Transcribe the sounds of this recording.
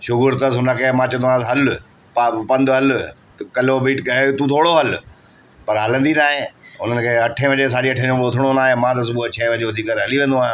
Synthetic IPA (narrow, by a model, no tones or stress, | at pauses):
ʃʊɡʊɾt̪əsʊnəkʰeːmãːt͡ɕɐ̃noanasɦɐl | papɐ̃nd̪ɦɐl | kɐlobiːʈkɐɦet̪ũt̪ʰoːɽoɦɐl | pɐɾɦɐlə̃nd̪inaːɦẽʊn̤ənɪ̆kʰeːɐʈʰẽʋɐ̃ɲd͡ʑes̬aːʄiɐʈʰẽõʊt̪ʰɪɽ̃onaːɦẽmãt̪̬ɐs̬ʊbut͡ɕʰɛːʋɐ̃ɲd͡ʑoɦʊd̪iːkəɾɦɐliʋẽːnd̪oaːɦj̃